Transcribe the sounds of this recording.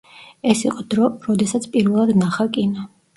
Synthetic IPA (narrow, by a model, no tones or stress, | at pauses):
ɛsiqʼɔd̪ɾɔɾɔd̪ɛsat̪sʰpʼiɾvɛlˠad̪naχakʼinɔ